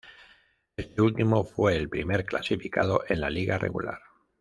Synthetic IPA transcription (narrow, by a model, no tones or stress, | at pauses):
e̞st̪e̞ult̪imo̞fwe̞ːlpɾime̞ɾkla̰sifika̰ð̞o̞ʔe̞nlaliɣarʔe̞̰ɣṵla̰ɾ